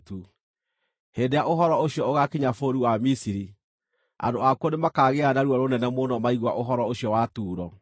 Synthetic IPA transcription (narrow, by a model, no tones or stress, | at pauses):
tu | heːndeaʔoɦɔɾɔoɕjɔoɣakeɲafoɾiwamisiɾi | a̰ndoakwɔnemakaːɣeanaɾuaɾonɛnɛmonɔmaiɣwa̰ʔoɦɔɾɔoɕijɔwatuːɾɔ